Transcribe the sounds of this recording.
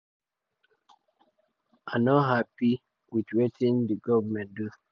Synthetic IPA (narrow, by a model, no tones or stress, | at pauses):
ãnɔɦapi | widwetʰĩndəɡɔvəmɛ̃ndu